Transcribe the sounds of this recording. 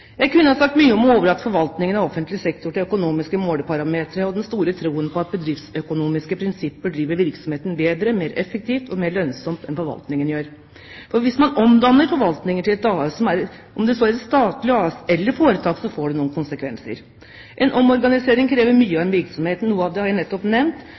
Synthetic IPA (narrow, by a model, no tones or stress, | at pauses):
jæɪkʉnːəhɑsɑk̚t̪myːəɔmɔoːʋəɾɑt̪ːfɔɾʋɑlt̪nɪŋənɑʋɔfːənt̪lɪsɛkt̪ʊʈɪlœkʊnuːmɪskəmoːd̪əpʰɑɾɑmeːt̪ɾəɔd̪ɛnst̪uːɾət̪ʰɾuːənpʰɔɑt̪̚bəd̪ɾɪft̪sœkʊnuːmɪskəpʰɾɪnsɪpːəɖɾiːʋəɾʋɪɾksɔmheːt̪nbeːd̪ɾəmeːɾɛfək̚t̪ʰiːft̪ɔmeːɭœnsɔmt̪ɛnfɔɾʋɑ̰lt̪nɪŋənɪjøːɾ | fɔɾʋɪsmɑnɔmd̪ɑnːəɾfɔɾʋɑlt̪nɪŋəʈʰɪlɛt̪ɑːsɔmæɾʔɔmd̪ɛsoːæɾst̪ɑːt̪lɪɑsɛlːəɾfoːɾət̪ʰɑːksɔfoːɖɛnuːənkʊnsəkʰʋɛnsə̰ɾ | ʔɛnʔɔmɔɾɡɑnɪseːɾɪŋkʰɾeːʋəɾmyːəɑʋɛnʋɪɾksɔmheːt̪n̩nuːəɑʋd̪ɛhɑɾænɛt̪ːɔpnɛmnt̪